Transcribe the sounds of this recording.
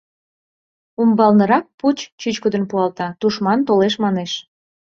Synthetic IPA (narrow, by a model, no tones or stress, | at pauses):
umbɑlnəɾɑk̚put͡ɕt͡ɕyt͡ɕkəd̪ənpuɑlt̪ɑt̪uʃmɑnt̪oleʃmɑneʃ